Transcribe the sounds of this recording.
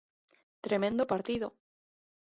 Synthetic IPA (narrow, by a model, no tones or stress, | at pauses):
t̪ɾemẽnd̪opaɾt̪iðo